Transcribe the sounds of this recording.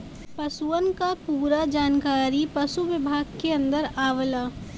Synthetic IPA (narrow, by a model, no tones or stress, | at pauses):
pəsuənkapuːɾad͡ʒaːnkaːɾipəsuʋɪbʱaːɡkeɐ̃nd̪əɾaːʋəla